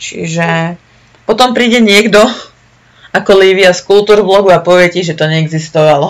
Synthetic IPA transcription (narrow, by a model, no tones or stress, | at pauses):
t͡ʃḭʒɛ | pɔt̪ɔmpɾiːɟɛɲɪɛɡd̪ɔ | akɔliːʋiaskulˠt̪uːɾblɔɡuapɔʋɪɛciʒɛt̪ɔɲɛːɡzist̪ɔʋalɔ